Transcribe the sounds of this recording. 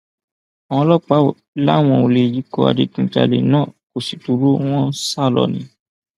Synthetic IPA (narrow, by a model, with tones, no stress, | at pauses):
a˨w̃ɔ̃˧˦lɔ˦k͡pa˨˦˨ | la̰˦˨w̃ɔ̃˧o˧˨le˧˨ji˨˦kɔ˧a̰˨di˧˦tũ˧˦t͡ʃa̰˧˨lḛ˨nãː˦˨ko˨si˨tu˨˦ɾo˦w̃ɔ̃˦sa˦˨lɔ̰˨nĩ˨˦